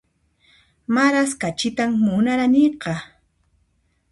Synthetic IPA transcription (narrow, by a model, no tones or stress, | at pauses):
maɾaskat͡ʃɪt̪ammʊnaɾaniqɑ